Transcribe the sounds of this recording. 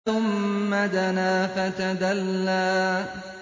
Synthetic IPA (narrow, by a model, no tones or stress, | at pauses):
ʊmːad̪anaːfat̪ad̪alːaː